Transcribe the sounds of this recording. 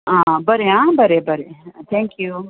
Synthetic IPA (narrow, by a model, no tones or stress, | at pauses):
ãbɐɾeɦãbɐɾebɐɾet̪ʰɛ̃ŋkju